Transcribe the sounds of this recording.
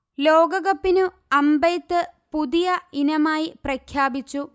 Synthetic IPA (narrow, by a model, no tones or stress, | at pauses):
loːɡɐɣɐpːinu | ɐmbɐjt̪ːɨpuðijɐinɐmaːjiprɐkʰjaːbit͡ɕːu